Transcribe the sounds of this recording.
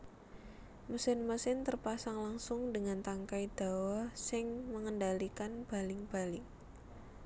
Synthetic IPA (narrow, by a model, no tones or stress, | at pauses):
məsɪnməsɪnt̪ərpasaŋlaŋsʊŋdəŋant̪aŋkaid̪̥a̤wahsɪŋməŋəndalikanb̥a̤lɪŋb̥a̤lɪŋ